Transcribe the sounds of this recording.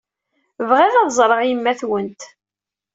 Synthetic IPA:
vʁeðɑðzˤɾˤəʁimːæθwənt̪

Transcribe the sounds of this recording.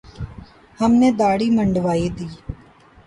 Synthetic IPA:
həmnẽːd̪aːɽiːməɳɖʋaːiːd̪iː

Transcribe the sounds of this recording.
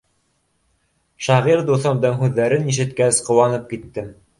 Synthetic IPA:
ʃɑʁiɾd̪uθɑmd̪ɤŋɦʉðːæɾɘniʃ̬ɘ̆t̪kæsqŏwɑnɤp̚kit̪ːɘm

